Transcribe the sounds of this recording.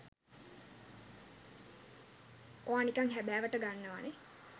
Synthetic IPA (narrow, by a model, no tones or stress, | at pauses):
oaːnikaŋɦæbæːʋəʈəɡanːəʋane